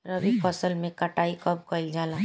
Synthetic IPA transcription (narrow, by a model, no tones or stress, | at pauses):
ɾəbipʰɔsəlmẽkɐʈaːikəb̚kəɪld͡ʒaːla